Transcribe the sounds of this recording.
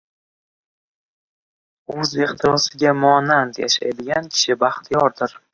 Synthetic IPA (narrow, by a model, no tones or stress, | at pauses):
ɵzeχt̪ʰɪɾɒsɪɡʲamʊanant̪ja̰ʃa̰jd̪ɪɡʲankʲʰɪ̥ʃɪbaχt̪ʰɪjɒɾd̪ɪɾ